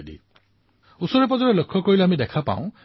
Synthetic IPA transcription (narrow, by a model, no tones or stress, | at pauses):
dḭ | usɔɹep̬ɔzɔɹelokʰːɔkoɔɹileamid̪ekʰapa̰w̃